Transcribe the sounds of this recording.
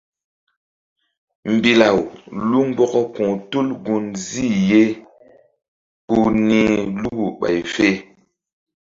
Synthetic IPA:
m̩˨bi˨la˨wlu˦ŋ˦ɡ͡bɔ˦kɔ˦kũ˨tu˦lɡu˦nzi˦˨je˦ | ku˦nĩ˦lu˦ɡu˨ɓa̰˨jfe˦

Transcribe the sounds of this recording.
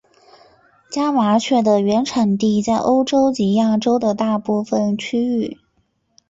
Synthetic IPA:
t͡ɕja˥ma˧˥t͡ɕʰɥɛ˥˩d̪ə˩ɥɛ˧˥nʈ͡ʂʰa˨˩ŋt̪i˥˧t͡sa˥˩ɪʔo˥ʊʈ͡ʂo˥ʊt͡ɕi˧˥ja˥˩ʈ͡ʂo˥ʊd̪ə˨t̪a˥˧pu˥˩fə˩nt͡ɕʰy˥y˥˩

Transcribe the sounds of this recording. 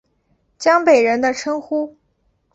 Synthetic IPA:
t͡ɕjɑ˥ŋpe˨˩ɪɻə˧˥nd̪ə˧ʈ͡ʂʰɤ˥ŋxu˥

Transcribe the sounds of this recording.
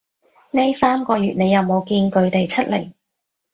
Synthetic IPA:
ne˥jsaː˥mkɔː˧jyː˨t̚ne˨˧jːɐ˨˧wmo˨˧wkiː˧nkɵ˧ɥt̪e˨jt͡sʰɐ˥t̚lḛ˨˩j

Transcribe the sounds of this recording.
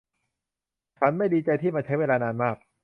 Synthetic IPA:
t͡ɕʰa˦˥˩nma˥˩jdiː˧t͡ɕa˧jt̪ʰiː˥˩maː˧t͡ɕʰa˦˥jweː˧laː˧naː˧nmaː˥˩k̚

